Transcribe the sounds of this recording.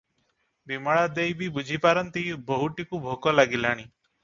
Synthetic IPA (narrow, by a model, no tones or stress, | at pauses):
bimɔɭad̪ejbibud͡ʒʱipaɾɔnt̪ibɔɦuʈikubʱokɔlaɡilaɽ̃i